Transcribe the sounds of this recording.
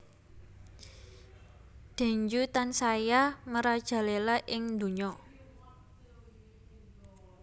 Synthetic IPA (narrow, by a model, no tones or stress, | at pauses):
d̪̥a̤ɲd͡ʒut̪ansajaməɾad̥ʒ̥a̤lelaʔɪŋnd̪ṳɲɔ